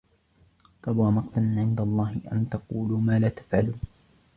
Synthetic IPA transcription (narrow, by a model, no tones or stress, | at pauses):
kˤɑbwaːmɑqt̪anʕɪnd̪alˤːɑːhɪʔa̰nt̪ɑquːluːmaːlaːt̪ḁfʕaluːn